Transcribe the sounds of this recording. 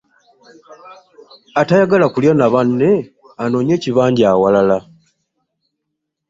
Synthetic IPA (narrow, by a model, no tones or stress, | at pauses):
atajaɡalakuljonaβanːe̞ | ano̞ːɲe̞ːciβaːɲɟaːwalala